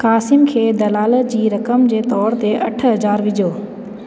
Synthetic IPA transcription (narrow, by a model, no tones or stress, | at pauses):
kaːsɪmkʰeːd̪ɐlaːləd͡ʑiːɾɐkəmd͡ʑeːt̪ɔːɾt̪eʔɐ̰ʈʰɦɐzaːɾʋɪd͡ʑʱoː